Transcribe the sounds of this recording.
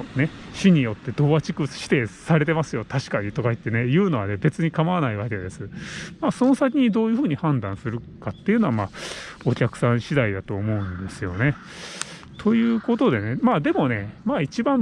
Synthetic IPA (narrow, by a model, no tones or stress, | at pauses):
ne̞ | ɕiɲ̟ijo̞t̪ːe̞d̪o̞ːβat͡ɕikɯ̟̥ɕi̥t̪e̞saɾe̞t̪e̞masɨjo̞t̪aɕi̥kaɲ̟it̪o̞kait̪ːe̞ne̞jɯ̟ːno̞βane̞be̞t͡sɨɲ̟ikamaβanaiβaked̪e̞sɨmaːso̞nosak̬ʲiɲ̟id̪o̞ːjɯ̟ɸɯːɲ̟ihãnd̪ãsɨɾɯ̟kat̪ːe̞iɯ̟no̞βamao̞kʲakɯ̟̥sãɰ̃ɕid̪aid̪at̪o̞ːmo̞ɯ̟̃nd̪esɨjo̞̰ne̞ | t̪ʰo̞jɯ̟ːko̞t̪o̞d̪e̞ne̞maːd̪e̞mo̞ne̞maːit͡ɕibãm